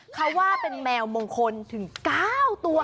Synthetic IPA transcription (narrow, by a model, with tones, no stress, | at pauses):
kʰa˦˥wːaː˥˩pe˧nmɛː˧wmoː˧ŋkʰo˧nt̪ʰɯ˩˦ŋkaː˥˩wt̪u˧ɐ